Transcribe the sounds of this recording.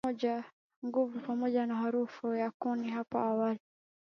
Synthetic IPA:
ɔɟa | ŋɡuvupamoɟanaɦaɾufujakuniɦapo̰awali

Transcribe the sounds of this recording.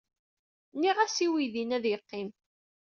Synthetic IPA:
niʁæsiwiðinæðjəqːim

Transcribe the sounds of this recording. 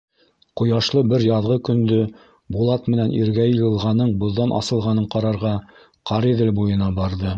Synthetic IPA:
qŏjɑʃlˠɤbɘɾjɑðʁɤkɵ̆nd̪ɵ | bulˠɑt̪mɘ̆nænʔiɾɡæjɤ̆jɤ̆lˠʁɑnɤɴbŏðːɑnʔɑ̰sɤ̆lˠʁɑnɤɴqɑɾɑɾʁɑ | qɑɾiðɘlbujɤ̆nɑbɑɾðɤ

